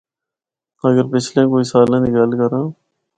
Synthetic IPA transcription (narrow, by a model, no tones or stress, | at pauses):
əɡəɾpɪt͡ʃʰlẽːkoːisaːlãːd̪iɡəlkəɾãː